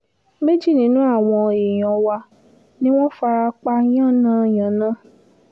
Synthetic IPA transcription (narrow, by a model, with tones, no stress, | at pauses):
me˦d͡ʒi˦˨nĩ˨˦nũ˦a˦˨w̃ɔ̃˧e˨j̃ɔ̃˧wa˧ | nĩ˦w̃ɔ̃˦fa˧ɾa˧k͡pa˧j̃ã˦˨nã˦˨j̃ã˨nã˦